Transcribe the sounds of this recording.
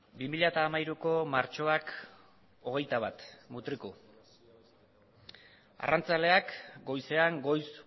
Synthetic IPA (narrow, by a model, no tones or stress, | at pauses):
bimiʎaet̪aːmaiɾuko̞maɾt͡ʃo̞ak | o̞ɣ̞e̞jt̪aβ̞at̪mut̪ɾiku | a̰rʔant͡sale̞akɡo̞jse̞aŋɡo̞js